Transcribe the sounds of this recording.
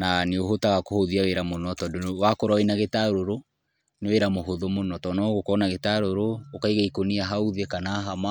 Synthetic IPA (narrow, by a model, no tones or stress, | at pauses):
naneoɦotaɣakohoðiaweɾamonɔtɔdowakoɾainaɣetaɾoɾo | neweɾamoɦoðomonɔtɔnaɣokɔnaɣetaɾoɾoːkaiɣaikoniaɦauðekanaːɦama